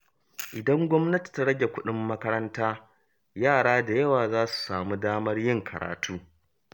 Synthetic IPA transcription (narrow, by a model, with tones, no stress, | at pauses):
ʔɪ˨dɐ˦ŋɡʷɔ˦mnɐ˦ti̥˨ta˦ɽɐ˦ɡʲe˨kʷʊ˦ɗɪ˦mːɐ˦kɐ˦ɾɐ˦ntaː˦ | jaː˦˨ɽaː˦da˨jɐ˦waː˨zaː˦su̥˨saː˨muː˦daː˦mɐ˦rjɪ˦ŋkʰɐ˨ɾa̰ː˨tʰuː˦